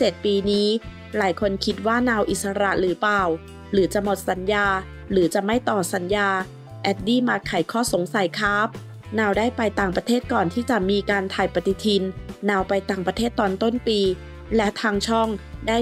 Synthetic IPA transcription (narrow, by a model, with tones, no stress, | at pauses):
t͡ɕe˨˩t̪̚piː˧niː˦˥ | laː˩˦jkʰo˧nkʰi˦˥t̪̚waː˥˩naː˧wʔi˨˩t̪̚sa˧ɾa˧˦ɾɯː˩˦paː˨˩w | ɾɯː˩˦t͡ɕa˨˩mo˨˩t̪̚sa˩˦njaː˧ | ɾɯː˩˦t͡ɕa˨˩ma˥˩jt̪ɔː˨˩sa˩˦njaː˧ | ʔɛ˦˥t̪̚diː˥˩maː˧˩kʰːa˨˩˦jkʰɔː˥˩so˩˦ŋsa˨˦jkʰaː˦˥p̚ | naː˧wdaː˥˩jpa˧jt̪aː˨˩ŋpɾa˧t̪ʰeː˥˩t̪̚kɔː˨˩nt̪ʰiː˥˩t͡ɕa˨˩miː˧kaː˧nt̪ʰaː˨˩jpa˧t̪i˧˩t̪ʰi˧nːaː˧wpa˧jt̪aː˨˩ŋpɾa˧t̪ʰeː˥˩t̪ːɔː˧nt̪o˥˩npiː˧ | lɛ˦˥t̪ʰaː˧ŋt͡ɕʰɔ˥˩ŋdaː˥˩j